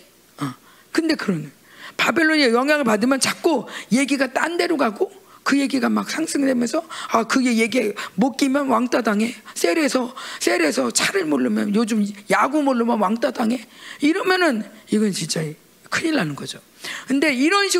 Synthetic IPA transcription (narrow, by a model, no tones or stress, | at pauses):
a | kɯnde̞kɯɾʌnɯ | pabe̞ɭːoɲiajʌŋɦjaŋɯɭpadɯmjʌnt͡ɕak͈̚oje̞ɡiɡat͈ande̞ɾoɡaɡokɯje̞ɡiɡamak̚sʰaŋs͈ʰɯŋdemjʌnsʰʌakɯe̞je̞ɡiemok͈imjʌnwaŋt͈adaŋe̞sʰe̞ɾe̞sʰʌs͈ʰe̞ɾe̞sʰʌt͡ɕʰaɾɯɭmoɭːɯmjʌnjod͡ʑumjaɡumoɭːɯmjʌnwaŋt͈adaŋe̞iɾʌmjʌnɯniɡʌnt͡ɕint͡ɕ͈ai | kʰɯɲiɭːanɯnɡʌd͡ʑo | kɯnde̞iɾʌnɕʰi